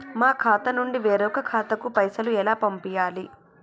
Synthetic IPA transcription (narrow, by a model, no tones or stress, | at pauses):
maːkʰaːt̪ɐnuɳɖiʋeːɾɔkɐkʰaːt̪ɐkupɐjsɐluɛlaːpɐmpijaːli